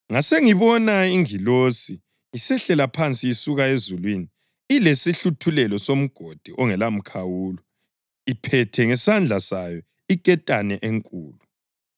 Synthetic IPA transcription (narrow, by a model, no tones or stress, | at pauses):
ŋaseŋiβɔnaiŋilosi | isɛɬɛlapʰant͡sʼiːsuɣaezulwini | ilesiɬutʰulɛlɔsom̩ɡ̥ʱod̥ʱiʔɔŋɛlam̩kʰawuːlɔ | ipʰɛtʰɛŋɛsand͡ɮʱasajɔ | ikʼɛtʼanɛʔeŋkʼuːlu